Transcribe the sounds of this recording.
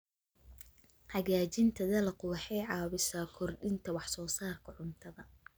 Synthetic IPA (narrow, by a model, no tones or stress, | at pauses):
ʕɑɣaːt͡ʃɪnt̪ʰɐðɐlɐqʊwɑħɛjʕɑːβɪsaːkʰɔrɗɪnt̪ʰɐwɑħsɔːsaːrkʰɐʕʊnt̪ʰɐðɐ